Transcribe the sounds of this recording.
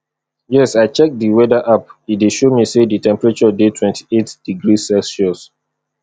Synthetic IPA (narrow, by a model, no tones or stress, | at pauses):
jɛsaɪt͡ʃɛk̚diwɛdaʔap̚it̚deʃomiseditʰɛ̃mpɛɹat͡ʃɔdetʰwɛ̃ntʰi̥etd̥iɡɹisɛsʃɔs